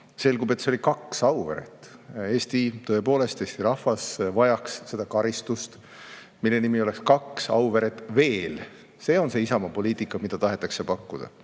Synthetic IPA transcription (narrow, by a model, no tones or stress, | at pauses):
se̞lɡ̥ube̞t̪ːseo̞lʲikɑksɑwveɾḛt̪ːˑe̞ːst̪it̪ɤ̞e̞po̞ːle̞st̪e̞ːst̪iɾɑhvɑsvɑjɑksse̞d̪̥ɑkɑɾist̪ust̪ | milːe̞nimio̞le̞kskɑksɑ̰wveɾet̪ːˑve̞ːl | se̞ːo̞nse̞isɑmɑpo̞lʲiːt̪ˑikːˑɑmid̪̥ɑt̪ɑɦe̞t̪ːˑɑksepɑkːud̪̥ɑ̰